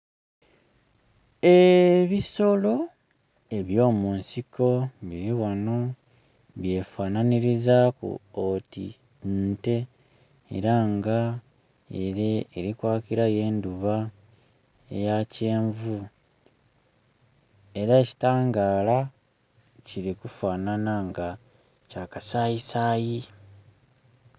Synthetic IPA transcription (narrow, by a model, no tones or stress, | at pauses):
eβiso̞lo̞ | e̞βjo̞ːmuːnsiko̞βiɾiwano̞ | βje̞faːnaniɾizakṵotḭ | nte̞̰ː | ɾaŋɡa | eɾeːɾikwaːkiɾaje̞ːnduβa | ḛjace̞ːɱvu | e̞ɾaeci̥taːŋɡaːla | ciɾikufaːnanaŋɡa | caːkasaːjisaːji